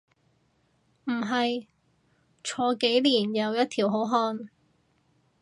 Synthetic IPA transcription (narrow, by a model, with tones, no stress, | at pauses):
m̩˨˩ɦɐ˨j | t͡ʃʰɔː˨˧ke˨˥jliː˨˩njɐ˨˧wjɐ˥t̚t̪ʰiː˨˩wɦo˨˥wɦɔː˧n